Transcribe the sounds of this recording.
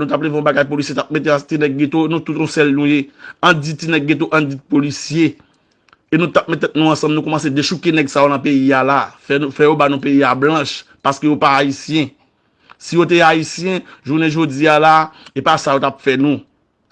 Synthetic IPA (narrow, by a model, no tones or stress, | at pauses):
nũt̪apleveɔ̃baɡajpolisjet̪ap̚met̪̬eãt̪inɛɡːẽt̪oenũt̪ut̪ũsɛlnũjeɐ̃d͡zitinɛɡ̚ɡẽt̪̬oʔɐ̃d͡zid̚polisje | enũt̪ap̚mɛt̪ːɛt̪̚nũɐ̃sɐ̃mnũkɔmɐ̃sed̪eʃukenɛɡsajonɐ̃peialafɛufɛjobanũpeiablɐ̃ʃ | paskejopaːisjɛ̃ | sijot̪̬eaisjɛ̃ʒunɛ̃ʒod͡zialaepasajot̪apfɛnũ